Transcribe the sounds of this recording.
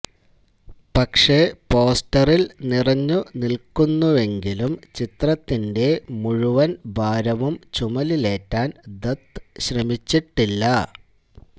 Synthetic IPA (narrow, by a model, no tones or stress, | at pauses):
pɐkʂe̞po̞ːstɐrilnirɐɲːunilkunːuʋe̞ŋɡilumt͡ɕit̪rɐt̪ːinde̞muɻuʋɐnbʱaːɾɐʋumt͡ɕumɐlile̞ːtːaːnd̪ɐt̪ɕrɐmit͡ɕːiʈːilːɐ